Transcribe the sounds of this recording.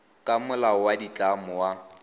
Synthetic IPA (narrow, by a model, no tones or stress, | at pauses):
kʼamʊlaɔwadit͡ɬʼamʊwa